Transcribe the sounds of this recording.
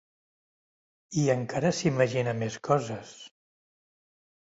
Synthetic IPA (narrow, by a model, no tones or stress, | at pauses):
iəŋkʰaɾəsiməʒinəmeskɔzəs